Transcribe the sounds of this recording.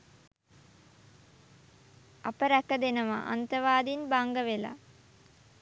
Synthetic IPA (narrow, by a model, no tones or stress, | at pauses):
apəɾækəd̪enəʋa̰ʔa̰nt̪əʋaːd̪inbaŋɡəʋela̰